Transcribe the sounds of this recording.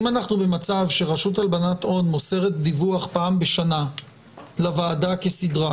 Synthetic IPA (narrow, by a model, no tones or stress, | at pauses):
imanaχnube̞mat͡savʃe̞ʁaʃutalbanato̞nmose̞ʁet̚d̪ivuaχpaːmbe̞ʃana | lavaːdake̞sidʁa